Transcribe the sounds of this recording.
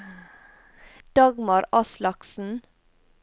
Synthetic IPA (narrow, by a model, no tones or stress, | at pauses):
d̪̥ɑɡmɑɾɑslɑksn̩